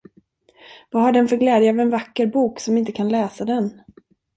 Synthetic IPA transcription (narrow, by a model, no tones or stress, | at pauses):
vaɦaɖɛnfœɾɡlɛːd̪jəavɛnvakːəɾbuːksɔmɪnt̪əkʰanlɛːsad̪ɛn